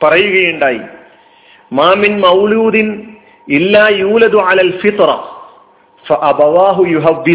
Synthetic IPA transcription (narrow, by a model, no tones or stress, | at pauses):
pɐrɐjuɣɐjuɳɖaːjḭ | maːminmɐwluːd̪in | ilːaːjuːlɐd̪uʕalaːlfit̪ɾɐ̰ | fɐʔɐbɐwaːɦujuɦɐbːi